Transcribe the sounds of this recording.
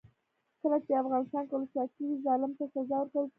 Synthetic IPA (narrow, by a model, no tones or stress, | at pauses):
kəlat͡ʃeafɣɑnɪst̪ɑnkalʊsɑt̪̚əwizɑlɪmt̪asazɑwəɾkaw